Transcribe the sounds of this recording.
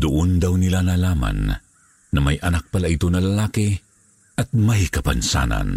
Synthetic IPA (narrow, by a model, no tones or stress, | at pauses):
d̪ʊʔʊnd̪awnɪlanalaːma̰nː | ɐmajʔɐnak̚palaʔit̪onɐlalaːki | ʔɐt̪̚majkɐpansa̰ːna̰n